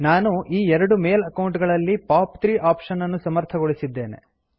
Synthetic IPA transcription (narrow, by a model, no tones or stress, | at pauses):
naːnuʔiːɛɾɐɽume̞ːlɐkɐwɳʈɡɐɭɐlːipaːpt̪ɾiːʔaːpʂɐnːɐnːusɐmɐɾt̪ʰɐɡoɭisid̪ːe̞ːne̞̰